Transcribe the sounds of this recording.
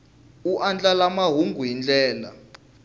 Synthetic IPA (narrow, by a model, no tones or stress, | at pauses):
uʔand͡ɮʼalamaɦuŋɡuɦind͡ɮɛːla̰